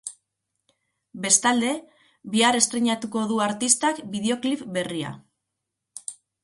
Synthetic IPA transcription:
be̞st̪ald̪e̞ | βiaɾe̞st̪ɾeɲat̪uko̞ðuaɾt̪ist̪akbið̞e̞o̞klipbe̞ria̰

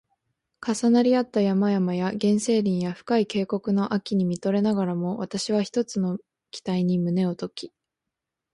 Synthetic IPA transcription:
kasanaɾʲiat̪ːajamajamajaɡẽ̞ɰ̃se̞ːɾʲĩɰ̃jaɸɯ̟̥kaike̞ːko̞kɯ̟no̞ʔakʲiɲ̟imʲit̪o̞ɾe̞naɡaɾamo̞βat̪aɕiβ̞açi̥t̪o̞t͡sɨno̞ | kʲi̥t̪aiɲ̟imɯ̟ne̞ot̪o̞kʲi̥

